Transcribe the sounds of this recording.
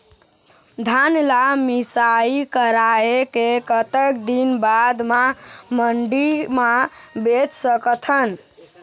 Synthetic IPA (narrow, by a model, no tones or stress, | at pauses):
d̪ʱanlamisaikəɾaekekət̪əkd̪inbad̪maməɳɖimabet͡ʃsəkt̪ʰən